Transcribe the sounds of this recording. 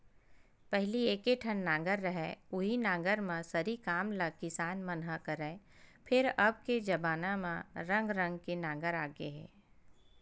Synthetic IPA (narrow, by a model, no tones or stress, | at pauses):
pɛɦlieːkeʈʰənːãːŋɡəɾːəɦɛʊɦinãːŋɡəɾmãsɐɾikaːmləɡ̚kɪsaːnmənɦəkəɾɛːpʰɪɾɐb̚ked͡ʒɐbaːnãmãɾə̃ŋɡɾə̃ŋɡkenãːɡəɾaːɡḛɦɛ̰ː